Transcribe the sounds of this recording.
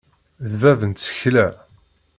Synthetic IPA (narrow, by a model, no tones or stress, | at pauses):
ðvævənt̪sə̥çlæ